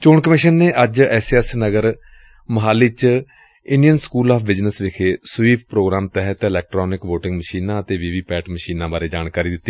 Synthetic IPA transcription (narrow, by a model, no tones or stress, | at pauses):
t͡ʃoːɳkəmɪʃənːeːʔəd͡ʒɛːsɛsnəɡəɾ | məɦaːlit͡ʃ | ɪɳɖijənskuːlaːpʰbɪd͡ʒnəsʋɪkʰeːsʊʋiːp̚ʰpɾoːɡɾaːmt̪ɛɦət̪ɪlɛːk̚ʈɾɔːnɪkʋoːʈɪ̃ŋɡməʃiːnãːət̪eːʋiːʋiːpɛːʈməʃiːnãːbaːɾeːd͡ʒaːnkaːɾiːd̪ɪt̪ːiː